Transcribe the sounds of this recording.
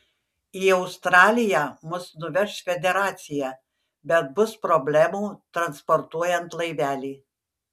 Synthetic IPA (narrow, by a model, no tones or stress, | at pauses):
iːɐʊst̪ɾɑːlʲɪjæːmʊsnʊʋʲɛʃsfʲɛd̪ʲɛɾɑːt̪sʲɪjæː | bʲɛt̪̚bʊspɾɔbʲlʲæmuːt̪ɾɐnspɔɾt̪uɔjɛnt̪lˠɐɪʋʲæːlʲiː